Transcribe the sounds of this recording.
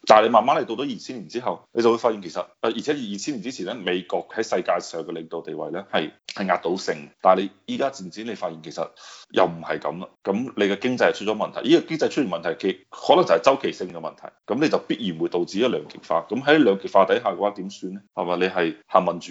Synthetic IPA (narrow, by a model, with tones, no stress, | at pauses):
t̪aː˨nle˧jmaː˨nmaː˥le˨˧jt̪o˧wt̪o˨˥jiː˨t͡sʰiː˥nliː˨˩nt͡siː˥ɦɐ˨wne˨˧jt͡sɐ˨wu˧jfaː˧ji˨nkʰe˨˩sɐ˨t̚ʔɐ˨˩ji˨˩ɛ˨˥ji˨jiː˨t͡sʰiː˥nli˨nt͡siː˥t͡sʰiː˨˩nɛː˥me˨˧jkɔː˧k̚hɐ˨˥jsɐ˧jkaː˧jsœː˨ŋkɛ˧lɪ˨ŋt̪o˨wt̪e˨jwɐ̰˨jlɛː˥hɐ˨jhɐ˨jŋaː˧t̚t̪o˨˥wsɪ˧ŋt̪aː˨nle˨˧jjiː˥kaː˥t͡siː˨nt͡si˨˥nle˨˧jfaː˧t̚i˨nkʰe˨˩jsɐ̰˨t̚jʔɐ̰˨wm̩˨˩hɐ˨jkɐ̰˨˥mlɐ˧kɐ˨˥mle˨˧jkɛ˧kɪ˥ŋt͡sɐ˧jhɐ˨˩t͡ʃʰt̚t͡ʃɔː˨˥mɐ˨nt̪ʰɐ˨˩jiː˥kɔ˧kɪ˥ŋt͡sɐ˧jt͡ʃʰɵ˥t̚ɥy˨˩mɐ˨nt̪ʰɐ˨˩jkʰe˨˩hɔː˨˥lŋt͡sɐ˨˩hɐ˨˩jt͡sɐ˥wkʰe˨˩jsɪ˧ŋkɛ˧mɐ˨nt̪ʰɐ˨˩jkɐ˨˥mnle˨˧jt͡sɐ˨wpiː˥t̚jiː˨˩nwu˨˧jt̪o˨wt͡si˧˥jlœː˨˧ŋkɪ˨˩k̚faː˧kɐ˨˥mɦɐ˨˥jlœː˨˧ŋkɪ˨k̚faː˧t̪ɐ˨˥jɦaː˨kɛ˧waː˨˥t̪iː˨˥msyː˧nɛ˥hɐ˨˩maː˨˩le˨˧ɦɐ˨jhaː˨˩ŋmɐ˨˩nt͡ʃy˨˥